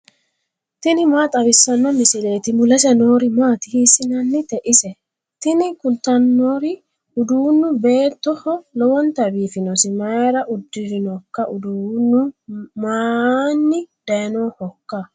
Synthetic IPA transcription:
t̪ɪnɪmaːt̪ʼɐβɪsːɐnːɔmɪsɪle̞ːt̪ɪmʊlɐsɛnoːɾɪmaːt̪ɪhisɪnɐnːɪt̪ɛʔɪsɛ | t̪ɪnɪkʊlt̪ɐnːoːɾɪ | ʊd̪uːnːʊbe̞ːt̪ːɔhɔlɔwɔnt̪ɐbiːfɪnɔsɪmɐɾɐʔʊd̪ːɪɾɪnɔkːɐʔʊd̪uːnːʊmaːnːɪd̪̥ɐjnoːhɔkːa

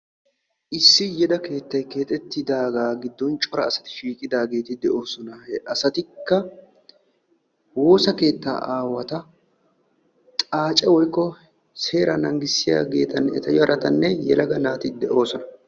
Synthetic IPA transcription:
ʔɪsːɪjɛd̪ɐke̞ːt̪ːɐjke̞ːt̪ʼɛt̪ːɪd̪aːɡaːɡɪd̪ːɔnt͡ʃʼɔɾɐːsɐ̥t̪ɪ̥ʃiːkʼɪd̪aːɡe̞ːt̪ɪd̪ɛʔo̞ːsɔnɐʔɐsɐt̪ɪkːɐ | wo̞ːsɐke̞ːt̪ːa̰ːʔaːwɐt̪ɐ | t̪ʼaːt͡ʃʼɛwɔjkːɔ | se̞ːɾɐnɐŋɡɪsːɪja̰ːɡe̞̰ːt̪ɐnɛt̪ɐjɔɐɾɐt̪ɐnːɛjɛlɐɡɐnaːt̪ɪd̪ɛʔo̞ːsɔnɐ

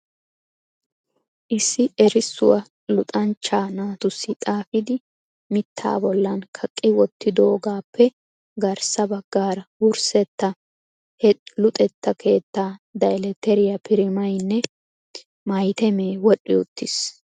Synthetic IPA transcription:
ʔɪsːɪɛɾɪsːʊ̰wɐ | lʊt̪ʼɐnt͡ʃːaːnaːt̪ʊsːɪt̪ʼaːfɪd̪ɪ | mɪt̪ʰːa̰ːbɔlːɐnkʰɐkʼːɪwɔt̪ːɪd̪oːɡaːpːɛ | ɡɐɾsɐbɐɡ̥ːaːɾɐwʊɾsɛt̪ːɐ | hɛlʊt̪ʼɛt̪ːɐkʰe̞ːt̪ːaːd̪ɐjlɛt̪ɛɾɪjɐpʰɪɾɪmɐjnːɛ | mɐjt̪ɛmeːwɔɗːɪʊt̪ːɪs

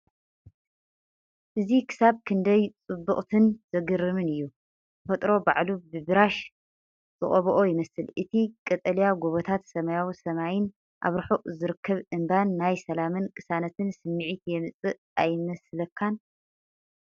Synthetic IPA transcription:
ʔɨzikʰɨ̥saβkʰɨnd̪ɐjt͡sʼɨbːɨχʼt̪ʰɨnz̥ɐɡɨɾɨmɨnɨjːu | zɨfɐt̪ʼɾo̞baʕlubɨbɨɾaʃ | z̥ɨχʼɐβɔʔo̞jɪmɐsɨlʔɨt̪ʰikʼɐt̪ʼɐlijaɡoβot̪ʰat̪sɐmɐjawsɐmajɪn | ʔa̰βɾɨħuʔʼzɨɾɨkʰːɐβɨmbanːajsɐlamɨnkʼɨsanɐt̪ʰɨnsɨmːɨʕit̪jɛmɨt͡sʼɨʔ | ajmɐslɐkʰːan

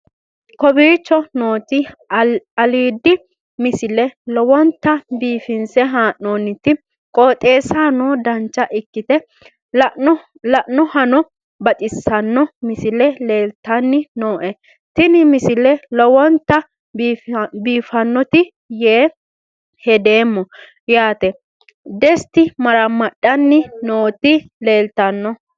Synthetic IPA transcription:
kɔbiːt͡ʃːɔnoːt̪ɪ | ɐliːd̪ːɪ | mɪsɪlɛlɔwɔnt̪ːɐbiːfɪnsɛɦaːʔːoːnɪt̪ɪ | kʼoːt̪ʼe̞ːsaːnoːd̪ɐnt͡ʃːɐʔɪkːɪt̪ɛ | lɐʔnɔhɐnɔ | bɐt̪ʼɪsːɐnːɔmɪsɪlɛleːlt̪ɐnːɪnoːʔɛ | t̪ɪnɪmɪsɪlɛlɔwɔnt̪ːɐ | biːfɐnːɔt̪ɪ | jeː | hɛd̪eːmːɔ | jaːt̪ɛ | d̪ɛst̪ɪmɐɾɐmːɐɗːɐnːɪnoːt̪ɪle̞ːlt̪ɐnːɔ

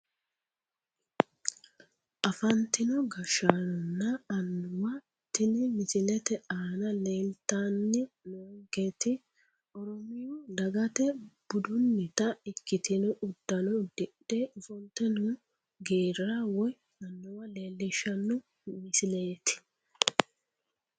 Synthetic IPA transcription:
ʔɐfɐnt̪ɪnɔɡɐʃaːnɔnːɐɐnːʊwɐ | t̪ːɪnɪmɪsɪlɛt̪ɛaːnɐleːlt̪aːnːɪnoːŋɡet̪ɪ | ʔɔɾɔmɪjɔd̪ɐɡɐt̪ɛb̥ʊd̪ʊnːɪt̪ɐɪkːɪt̪ɪnɔʔʊd̪ːɐnɔd̪̥ɛɗeʔʊfɔnt̪ːɛnʊ | ɡeːɾawɔj | ɐnːʊwɐle̞ːlːɪʃɐnːʊ | mɪsɪle̞ːt̪ɪ̥

